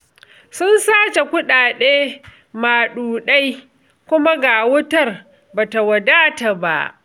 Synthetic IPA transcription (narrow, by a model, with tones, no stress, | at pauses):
sʊ˦nsaː˦t͡ʃe˨kʷʊ˦ɗaː˨ɗeː˦ | maː˨ɗuː˨ɗa˦j | kʷʊ˦ma˦ɡaː˨wʊ˦tɐ˦˨r | baː˨ta˨wɐ˨daː˦ta˨ba̰˦ʔ